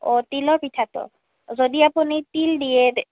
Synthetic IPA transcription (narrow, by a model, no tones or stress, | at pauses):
ot̪ilɔɹpitʰat̪ɔ̰ | zodiapunit̪ildije